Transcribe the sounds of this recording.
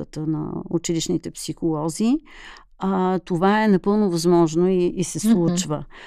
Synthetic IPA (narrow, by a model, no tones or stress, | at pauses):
ət̪ənɐ̰ut͡ʃiliʃnit̪ɛpsixolˠɔzi | t̪ovaɛnɐpɤlˠnovɐzmɔʒnoiːsɛslˠut͡ʃvə